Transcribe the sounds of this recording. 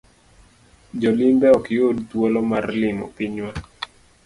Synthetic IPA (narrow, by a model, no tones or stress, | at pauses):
d͡ʒɔlimbɛɔkɪjodtwolɔmarlɪmɔ̰piɲwa